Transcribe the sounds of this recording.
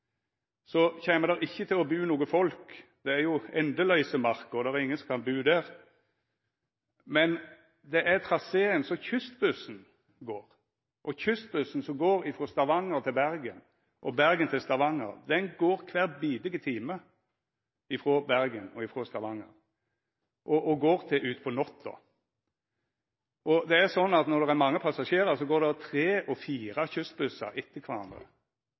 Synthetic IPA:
sɔçeːməd̪ɛʁɪçːət̪ʰɪlɔbʉːnuːɡəfɔlkd̪̥ɛæɾjʊɛnd̪əlœʏsəmɑɾkɔd̪ɛʁɛɾɪŋːənsɔmkʰɑnbʉːd̪æɾ | mɛn | d̪ɛʔæt̪ʰʁɑseːənsɔçʏst̪bʉsn̩ | ɡoːɾ | ʔɔçʏst̪̚bʉsn̩sɔmɡoːɾɪfʁoːst̪ɑʋɑŋəɾt̪ʰɪlbæɾɡən | ʔɔbæɾɡənt̪ʰɪlst̪ɑʋɑŋə̰ɾd̪ɛnɡoːɾkʰʋæːɾbiːd̪ɪɡət̪ʰiːmə | ɪfɾoːbæɾɡənɔɪfɾoːst̪ɑʋɑŋːə̰ɾ | ʔɔʔɔɡoːʁt̪ʰɪʔʉːt̪pʰɔnɔt̪ʰːɔ̰ | ʔɔd̪ɛæsɔnːɑt̪nɔɾd̪ɛʁæmɑŋːəpʰɑsɑʂeːɾəɾsɔɡoːɾd̪ɛt̪ʰɾeːʔɔfiːɾɑçʏst̪̚bʉsɑ̰ɪt̪ʰːəkʰʋɑɾɑ̰nd̪ɾə̰

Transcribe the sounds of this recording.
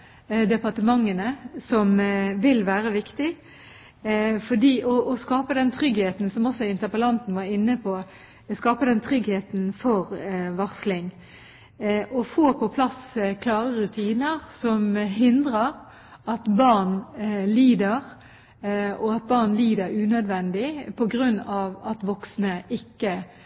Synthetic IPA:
d̪ɛpɑʁt̪əmɑŋːənəsɔmʋɪlʋæːʁəʋɪkt̪ɪ | fɔɖiːʔɔʔːskɑːpəd̪ɛnt̪ʰɾʏɡheːt̪n̩sɔmɔsːɔɪnt̪əʁpəlɑnt̪n̩ʋɑɾɪnːəpʰɔ | skɑːpəd̪ɛnt̪ʰɾʏɡheːt̪nfɔʁʋɑʁslɪŋ | ʔɔfoːpʰɔpʰlɑskʰlɑːʁəʁʉt̪ʰiːnəʁsɔmɦɪnd̪ʁəʁ | ɑt̪bɑʁnliːd̪əʁ | ɔɑt̪̚bɑʁnliːd̪əɾʉːnœd̪ʋɛnd̪ɪpʰɔɡʁʉnːɑʋɑt̪ʋɔksnəɪkːə

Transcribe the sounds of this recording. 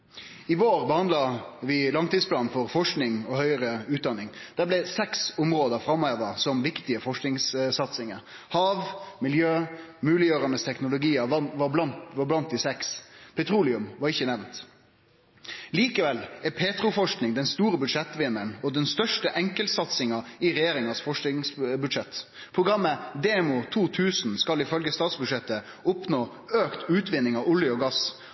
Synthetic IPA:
ɪʋoːɾbəhɑnd̪lɑʋɪlɑŋt̪id̪spʰlɑːnfɔɾfɔʂknɪŋɔhœʏəɾəʉːt̪̚d̪ɑnɪŋd̪̥æːblɛsɛksʊmʁoːd̪əfɾɑmːɑɛʋɑsɔmʋɪkt̪ɪəfɔʂknɪŋssɑt̪sɪŋəɾ | hɑːʋmɪljøːmʉːlɪjøːɾɑnəst̪ʰɛknʊlʊɡiːəʋɑʋɑblɑnt̪̚d̪iːsɛkspʰɛt̪ʰɾuːlɪʉmʋɑɾɪçːənɛʋnt̪ | liːkəʋɛlɛpʰeːt̪ɾʊfɔʂknɪŋd̪ɛnst̪uːɾəbʉd̪ʂɛt̪ːʋɪnːəɳɔd̪ɛnst̪œʂʈəʔɛŋkəlt̪sɑt̪sɪŋɑɪɾɛjeːɾɪŋɑsfɔʂɪŋsbʉd̪ʂɛt̪ː | pʰɾʊɡʁɑmːəd̪eːmʊt̪ʰuːt̪ʰʉːsnskɑlɪfœlɡəst̪ɑːt̪sbʉd̪ʂɛt̪ːə | ʊpnoː | øːkt̪ʉːt̪ʋɪnːɪŋɑʋʊləɔɡɑs

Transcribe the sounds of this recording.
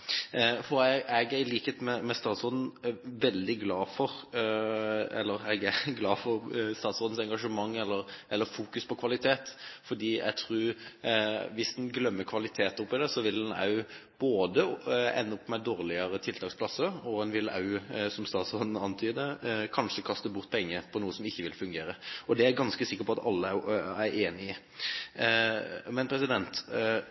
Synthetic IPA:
fɔɾɛɛɡæɾɪliːkheːt̪mɛmɛst̪ɑːt̪sɔːd̪n̩ʋɛld̪ɪɡlɑːfɔɾ | ɛ̰lːəɾɛɡæɾɡlɑːfɔɾst̪ɑːt̪sɔːd̪n̩sɛŋɡɑʂəmɑŋːɛlːəɾʔɛlːəɾfuːkʉspʰɔkʰʋɑlɪt̪ʰeːt̪fɔd̪iːɛ̰ɡ̚t̪ʰɾʉː | ʋɪsd̪ɛnɡlœmːəkʰʋɑlɪt̪ʰeːt̪ʊpːɪd̪ɛsɔʋɪlɛnɑ̰ʉb̥oːd̪əɛ̰nːəʊpːmæɪd̪oːʁlɪəɾət̪ʰɪlt̪ʰɑːkspʰlɑsəɾɔɛnʋɪlɑ̰ʉsɔmst̪ɑːt̪sɔnn̩ɑnt̪ʰyːd̪əkʰɑnʂəkʰɑst̪əbʊʁt̪̚pʰɛŋːəpʰɔnuːəsɔmɪçːəʋɪlfʉŋɡeːɾəɔd̪ɛæɾɡɑnskəsɪkːəɾpɔɑt̪ɑlːəææɾeːnɪə | mɛnpʰɾɛsɪd̪ɛnt̪

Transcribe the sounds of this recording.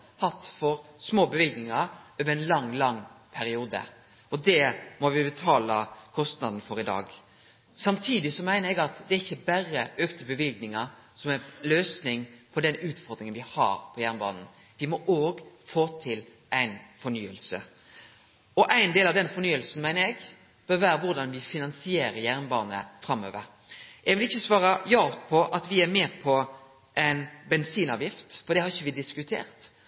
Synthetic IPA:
hɑt̪ːfɔɾsmoːbəʋɪlɡnɪŋəɾøːʋəɾæɪnlɑŋːlɑŋːpʰæɾɪuːd̪ə̰ | ɔd̪ɛmɔʋɪbət̪ʰɑːləkʰɔst̪nɑd̪n̩fɔɾɪd̪ɑ̰ːɡ | sɑmt̪ʰiːd̪ɪsɔmæɪnəɾɛɡɑt̪d̪ɛæɾɪçːəbæɾəʔøːkt̪əbəʋɪlɡnɪŋə | sɔmæløːsnɪŋpʰɔd̪ɛnʉːt̪fɔɾd̪ɾɪŋənʋɪhɑ̰ːɾpʰɔjæʁnbɑ̰ːnn̩ | ʋɪmɔʔoːɡfoːt̪ʰɪl | ʔæɪnfɔɾnyːəlsə̰ | ɔʔæɪnd̪eːlɑʋd̪ɛnfɔɾnyːəlsn̩mæɪnəɛɡ | b̥øːɾʋæːɾəʋʊɾd̪ɑnʋɪfɪnɑnsɪeːɾəɾjæʁnbɑ̰ːnə̰fɾɑmːø̰ːʋəɾ | ɛɡʋɪlɪçːəsʋɑːɾɑjɑːt̪pʰɔʔɑt̪ʋɪæɾmɛːpʰɔ | ʔæɪnbɛnsiːnɑːʋjɪft̪fɔɾd̪ɛhɑɾɪçːəʋɪd̪ɪskʉt̪ʰḛːʁt̪

